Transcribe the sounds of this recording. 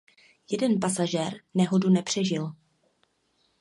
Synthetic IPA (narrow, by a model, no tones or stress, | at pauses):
jɛdɛnpasaʒɛɾnɛɦo̞dunɛpr̥ɛʒɪl